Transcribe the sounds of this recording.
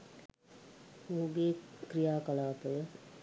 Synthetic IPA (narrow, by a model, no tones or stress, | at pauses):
uːɡeːkɾijaːkɐlaːp̪əʋə